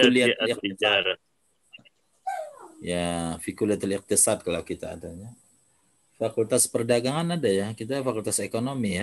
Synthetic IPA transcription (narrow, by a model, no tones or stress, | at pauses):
liat̪liabid͡ʒaɾa | jafikuliat̪liat̚t̪əsat̪̚kalawkit̪a̰ːdaɲa | fakult̪aspərdaɡaŋanadajakit̪̬afakult̪asekonomija